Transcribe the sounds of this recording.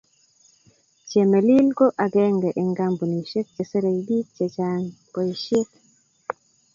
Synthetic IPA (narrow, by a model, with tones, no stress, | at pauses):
t͡ʃe˨me˨li˦lkɔ˦ʔa˨ɡɛ˦ŋɡɛ˨ʔi˨ŋɡa˦mbu˨ni˨ʃe˦k̚t͡ʃe˨se˦ɾe˨di˦k̚t͡ʃe˨t͡ʃa˨ŋkɔ˨i˨ʃe˦k̚